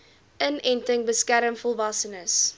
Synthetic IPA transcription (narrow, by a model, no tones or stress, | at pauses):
ʔənɛntəŋbəskæɾəmfɔlˠvɐsənəs